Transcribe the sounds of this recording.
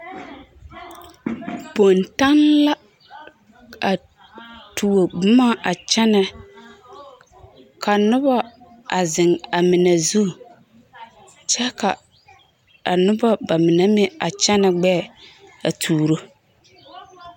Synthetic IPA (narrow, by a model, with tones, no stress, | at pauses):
po˨nta˦nla˦ | a˨ | tʰu˨wo˨bʊ˦ma˦ʔa˨t͡ʃɛ˦nɛ˦ | kʰa˨nʊ˦ba˦ | ʔa˨zɪ˨ŋa˨mɪ˨nɛ˨zu˦˨ | t͡ʃɛ˦ka˨ | a˨nʊ˦ba˦ba˨mɪ˨nɛ˦mɪ˦a˨t͡ʃɛ˦nɛ˨ɡ͡bɛ˦˨a̰˨tʰuː˨ɾo˦